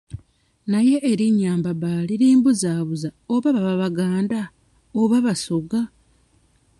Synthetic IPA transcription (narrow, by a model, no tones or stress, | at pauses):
naje̞ʔːɾiɲaːmbaβaliɾiːmbuzaːβuzaoβaβaβaβaɡaːnda | oβaβasoɡa